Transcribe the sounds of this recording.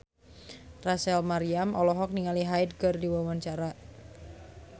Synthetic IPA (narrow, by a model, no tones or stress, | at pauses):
rasɛlmaɾiamʔɔlɔɦɔk̚niŋaliɦajd̚kərdiwawaɲt͡ʃaɾa